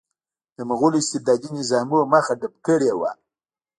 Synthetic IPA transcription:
d̪əməɣulɪst̪ɪd̪ɑd̪inɪzɑmuwamaxaɖap̚kəɽewa̰

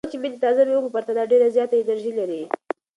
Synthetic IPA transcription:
t͡ʃeminit̪ɑzameukupaɾt̪ad̪ɑɖeɾazjɑt̪aɪnaɾʒilaɾi

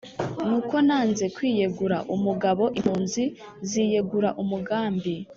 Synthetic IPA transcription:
nuko̞naːnze̞kwiːje̞ɡuɾaʔumuɡaβo̞ʔimhuːnzi | zije̞ɡuɾaʔumuɡaːmbi

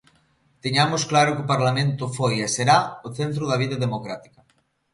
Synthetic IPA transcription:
t̪eɲamosklaɾokopaɾlamẽnt̪ofojeseɾaoθent̪̬ɾoðaβiðaðemokɾat̪i̥ka

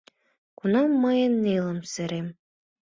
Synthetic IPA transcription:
kunɑmːɤjɤ̆nːelˠɤ̆msɘ̆ɾem

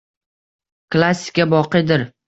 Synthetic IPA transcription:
klˠasʲːɪ̥kʲabɒqɨjd̪ɪɾ

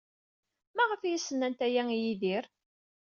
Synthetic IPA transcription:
mæʁəfjisːənːænt̪æjæŋjiðiɾ

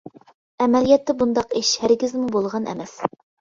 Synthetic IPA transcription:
ɛmɛlijɛt̪ʰːɛbund̪ɑqeʃhæɾɡʲɪzmubolˠʁɑnʔɛ̰mɛs

